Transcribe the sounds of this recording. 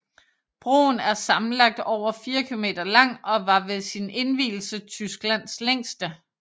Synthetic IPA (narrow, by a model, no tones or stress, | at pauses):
b̥ʁo̝̰ːnæɐsɑ̈mn̩lɑ̈ɡ̥̚d̥ɒʊ̰ɐfiːɐkʰilo̝me̝̰ːd̥ɐlɑ̈ŋ̰ɒ̽ʋɑ̈ʋe̝ðˠsine̝nʋḭːl̩sət͡sʰysɡ̥læn̰sleŋ̰sd̥ə